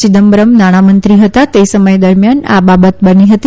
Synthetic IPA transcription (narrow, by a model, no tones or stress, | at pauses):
t͡ʃid̪əmbɾəmnaɽ̃amənt̪ɾiɦət̪at̪esəməjd̪əɾmjana̰babət̪bəniɦət̪i